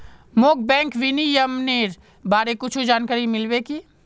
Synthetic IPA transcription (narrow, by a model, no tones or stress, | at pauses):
moːk̚bɛ̃ːŋkʋinijəmneːɾ | baːɾekʊt͡ʃʰud͡ʒaːnkaːɾimɪlweki